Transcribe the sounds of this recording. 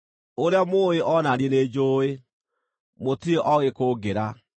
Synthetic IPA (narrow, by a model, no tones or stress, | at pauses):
oɾeamoːeʔɔnaniened͡ʑoːe | motieʔɔɣekoɡeɾa